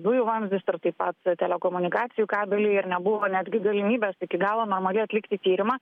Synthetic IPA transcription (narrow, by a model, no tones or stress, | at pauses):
d̪ʊjʊʋɐmʋʲɪsʊrt̪ɐɪpɐt̪t̪ʲɛlʲɛkoːmʊnʲɪkɑːt̪sʲɪjuːkɑːbʲɛlʲɪɪɾnʲɛbʊʋoːnʲæːd̪ʲɡʲɪɡɐlʲɪmʲiːbʲɛːsɪkʲɪɡɑːlˠoːnoːɾmɐlʲɪɐt̪ʲlʲɪkt̪ʲɪiːt̪ʲiːɾʲɪmɑː